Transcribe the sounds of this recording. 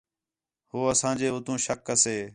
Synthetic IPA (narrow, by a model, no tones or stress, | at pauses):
huːəsãːd͡ʒeːʊt̪ũːʃəkːəseː